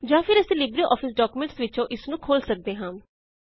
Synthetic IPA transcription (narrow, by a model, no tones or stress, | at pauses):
d͡ʒãːpʰɪɾɛseliːbɾiʔɔːpʰɪsɖɔːkumẽɳʈsʋɪt͡ʃõːʔɪsnũːkʰoːlsək̚d̪eːɦãː